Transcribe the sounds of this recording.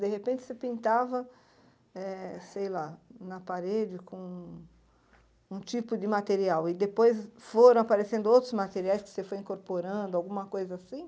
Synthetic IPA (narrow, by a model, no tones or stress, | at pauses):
d̪eɦepẽnt͡ʃɪ̥sepĩnt̪avɐ | ɛsejlanɐpaɾed͡ʒɪkõ | ũt͡ʃipʊd̪ɪmat̪eɾiawɪd̪epojsfoɾɐ̃w̃apaɾesẽnd̪ʊowt̪ɾʊzmat̪eɾiajskɪ̥sefojĩkoɾpoɾɐ̃nd̪ʊawɡũmɐkojzɐasĩ